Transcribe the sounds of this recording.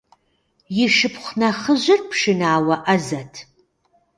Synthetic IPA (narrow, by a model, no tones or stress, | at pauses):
jɪʃɨpχʷnɐχəʑɪrpʰʂɨnaːwɐʔɐzɐtʰ